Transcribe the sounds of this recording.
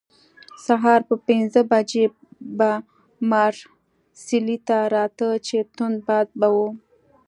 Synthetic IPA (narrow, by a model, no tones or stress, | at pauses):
saɦɑɾpəpɪnzəbad͡ʒe | ba | mɑɾ | silit̪aɾɑt̪ət͡ʃet̪ʊn̚bɑd̪̚bawu